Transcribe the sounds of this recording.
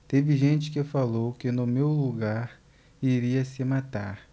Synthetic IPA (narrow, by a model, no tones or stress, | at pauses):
t̪evɪʒẽt͡ʃɪ̥kɪfalowkɪnʊmewluɡaɾ | iɾiɐsɪmat̪a̰ɾ